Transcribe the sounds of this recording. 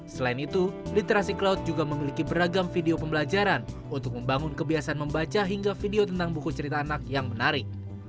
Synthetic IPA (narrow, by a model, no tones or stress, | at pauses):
səlainit̪ulit̪eɾasiklaut̪̚d͡ʒuɡaməmilikibəɾaɡamfideopəmbəlad͡ʒaɾan | unt̪ʊk̚məmbaŋʊnkəbiasanməmbat͡ʃaɦiŋɡafideot̪ənt̪aŋbukut͡ʃəɾit̪aːnak̚jaŋmənaɾɪk̚